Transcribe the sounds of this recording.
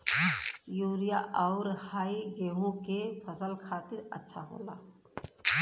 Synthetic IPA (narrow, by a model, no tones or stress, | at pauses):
juːɾijaʔɔʊɾhaːiɡeːɦõkepʰəsəlkʰaːt̪ɪɾə̰tːʃʰa̰ɦo̰ːlaː